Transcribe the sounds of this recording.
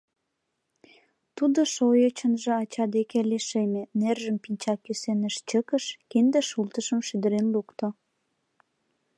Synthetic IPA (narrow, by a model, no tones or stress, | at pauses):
t̪ud̪oʃojət͡ɕənʒeɑt͡ɕɑd̪ekeleʃemenerʒəmpinʲt͡ɕɑkysenəʃt͡ɕəkəʃkend̪eʃult̪əʃəmʃyd̪əɾenlukt̪o